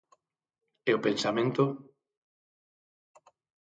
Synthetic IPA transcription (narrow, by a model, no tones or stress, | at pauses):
ɛopensamẽnt̪o